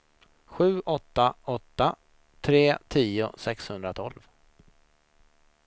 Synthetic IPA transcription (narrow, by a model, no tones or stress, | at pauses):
ɧʉ̟ːʔɔt̪ːaɔt̪ːa | t̪ʰɾeːt̪ʰiːʊ̰sɛkshɵnd̪ɾat̪ʰɔlv